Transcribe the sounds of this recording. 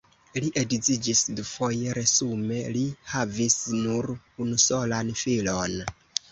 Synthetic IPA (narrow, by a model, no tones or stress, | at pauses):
liʔedid͡zid͡ʒisdufo̞je̞ɾe̞sume̞lihavisnuɾ | unuso̞lanfilon